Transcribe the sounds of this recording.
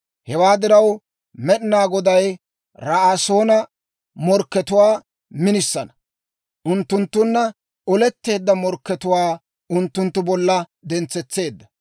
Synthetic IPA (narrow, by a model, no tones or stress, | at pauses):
hɛwaːd̪ɪɾɐw | mɛɗɪnaːɡɔd̪ɐj | ɾɐso̞ːnɐ | mɔɾkːɛt̪ʊwaː | mɪnɪsːɐnɐ | ʔʊnt̪ːʊnt̪ːʊnːɐ | ɔlɛt̪ːe̞ːd̪ːɐmɔɾkːɛt̪ʊwaː | ʊnt̪ːʊnt̪ːʊbɔlːɐd̪ɛnt͡sːɛt͡sːe̞ːd̪ːɐ